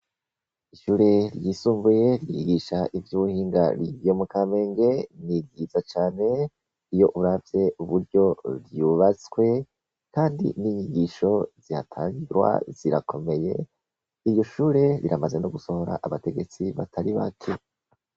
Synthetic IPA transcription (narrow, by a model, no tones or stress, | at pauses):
iʃuːɾe̞ɾjiːsuːɱbuje̞ɾjiiɡiʃaʔivjuβuhiːŋɡa̰ɾiomukame̞ːŋɡe̞nibɡizat͡ʃaːne̞ | ijo̞ʔuɾavje̞uβuɾɟo̞ɾjuːβat͡swe̞ | kaːndḭniɲiɡiʃo̞z̥iha̰tʰaːɲɡiwa̰z̥iɾakʰo̞me̞je̞̰ | iɾjo̞ʃuːɾe̞ɾiɾamazenoɡuso̞ho̞ɾa̰ʔaβate̞ɡe̞t͡siβa̰tʰaɾiβa̰kʰe̞